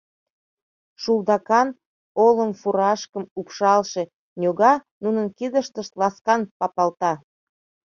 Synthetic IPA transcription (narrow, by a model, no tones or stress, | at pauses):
ʃuld̪ɑkɑn | oləmfuɾɑʃkəmupʃɑlʃe | nʲoɣɑnunənkid̪əʃt̪əʃt̪lɑskɑnpɑpɑlt̪ɑ